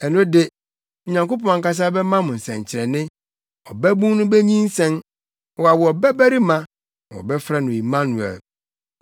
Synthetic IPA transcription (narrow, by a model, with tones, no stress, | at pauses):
ɛ˨nʊ̃˦dɪ˦˨ | ɲã˨ŋko˦pɔ̃˨a˨ŋ̩˨ka˦s̬a˦bɛ˦mã˦mʊ̃˨n̩˨sɛ̃˨ɲ˨t͡ɕʰɪ˨ɾɛ˨nɪ̃˦ | ɔ˨bæ˦bũ˦nʊ̃˦bɛ˦ɲĩ˦n̩˦sɛ̃˦n | wɔ˨a˨wɔ˨ɔ˨bæ˦bæ˦ɾi˦mã˦˨ | ɔ̰˨bɛ˦fɾɛ˦nʊ̃˨i˨mã˦nu˨ɛ̰˨l